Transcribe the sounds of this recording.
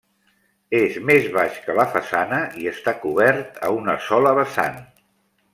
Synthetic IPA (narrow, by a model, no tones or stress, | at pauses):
ezmezβaʃkələfəsanəiəst̪akuβɛɾt̪ə̰unəsɔləβəsa̰n